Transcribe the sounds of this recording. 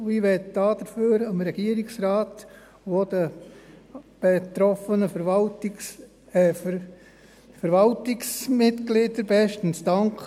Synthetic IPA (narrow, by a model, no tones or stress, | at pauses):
iʋɛtd̥ɑːd̥̪əɾføːɾəmɾɛɡ̥iəɾɪksɾɑːt̪ | od̥̪ə | b̥et̪ɾɔfənəfəɾvɑltɪs | fəɾvɑltɪksmɪtɡlɪːdəɾbɛʃtn̩sdɑŋkχ